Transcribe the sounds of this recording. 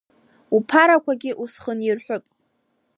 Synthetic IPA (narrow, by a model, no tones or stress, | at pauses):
upʰaɾakʷʰaɡʲɪʔusχənirħʷᶣʊpʼ